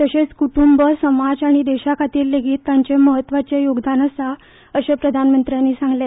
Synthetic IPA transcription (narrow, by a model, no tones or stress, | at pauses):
t̪əɕet͡skuʈumbəsəmad͡ʑaɽ̃id̪eɕakʰat̪iːlːeɡʱiːt̪ːaɲt͡ɕeməɦət̪ːʋat͡ɕejoɡd̪anəsa | əɕepɾəd̪ʱanmənt̪ɾjanːiːsãŋɡle